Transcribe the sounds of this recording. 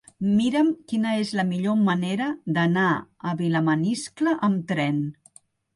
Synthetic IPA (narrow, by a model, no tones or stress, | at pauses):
miɾəmkinəezləmiʎoməneɾəd̪ənaəβiləməniskləʔəmt̪ɾɛn